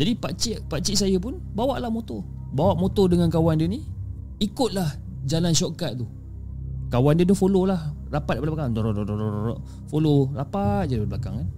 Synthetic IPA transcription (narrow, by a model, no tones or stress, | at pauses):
d͡ʒadipaʔt͡ʃiʔpaʔt͡ʃiʔsajəpʊn | bawaʔlahmot̪o | bawaʔmot̪ɔdəŋankawandiəni | ikʊt̪̚lah | d͡ʒalanʃɔkat̪̚t̪u | kawandiət̪ufololah | rapat̪̚palapakaŋdoɾɔʔdɔɔɾɔɔɾɔ̰ʔ | folorapat̪̚d͡ʒadiblaka̰ŋkan